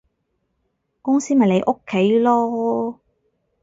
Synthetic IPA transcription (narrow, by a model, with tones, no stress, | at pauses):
kʊ˥ŋsiː˥mɐ˨jne˨˧jʔo˥kʰːe˨˥jlɔː˥